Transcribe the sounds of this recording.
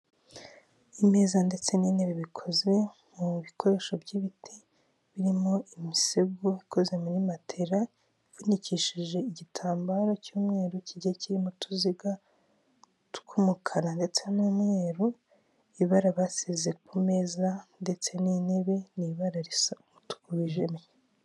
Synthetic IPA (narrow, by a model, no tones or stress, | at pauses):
ime̞ːzande̞t͡se̞niːne̞βeβikʰo̞ze̞ | muβikʰo̞ɾe̞ːʃo̞bɟiβitʰe | βiɾimo̞imiseɡuiko̞ze̞munimatʰeɾa | ivuniciʃiʒe̞iɟitʰaːmbaɾocuːmŋe̞ːɾuciɟeciɾimotʰuziɡa | tu̥kʰumukʰanande̞t͡se̞nuːmŋe̞ːɾu | iβaɾaβasizek̚ume̞ːzande̞t͡se̞nine̞βe̞niβaɾaɾisamutu̥kuβiʒemeje